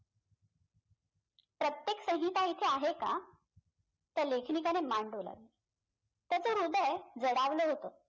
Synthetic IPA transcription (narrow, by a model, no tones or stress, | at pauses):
pɾət̪jeksə̃ɦit̪ait̪ʰeaɦeka̰ | t̪əɾlekʰnikanemaɳɖola̰ʋi | t̪jat͡soɾud̪əjd͡zəɽaʋləɦot̪o